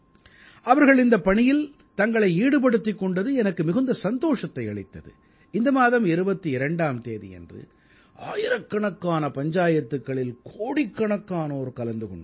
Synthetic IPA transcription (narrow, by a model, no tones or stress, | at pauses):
ɐʋɐɾɣɐɭɪnd̪ɐpːɐɳɪjɪl | t̪ɐŋɡɐɭɐɪiːɽɯp̬ɐɽɯt̪ːɪkːɔɳɖɐðɯɛnɐkːɯmɪɣɯnd̪ɐsɐnd̪oːʂɐt̪ːɐɪɐɭɪt̪ːɐðɯ̰ | ɪnd̪ɐmaːðɐmɪɾɯbɐt̪ːɯɪɾɐɳɖaːmt̪eːðḭɛ̰ndrɯ̰ | aːjɪɾɐkːɐɳɐkːaːnɐpɐɲd͡ʒaːjɐt̪ːɯkːɐɭɪlkʰoːɽɪkːɐɳɐkːaːnoːɾkɐlɐnd̪ɯkɔɳːɖ